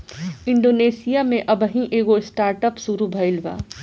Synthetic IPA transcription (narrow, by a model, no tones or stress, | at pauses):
ɪ̃ɳɖoːneːsijamẽʔɐbəɦĩʔeːɡoɪsʈaːɾʈəpsuɾubʱəɪlʋa̰ː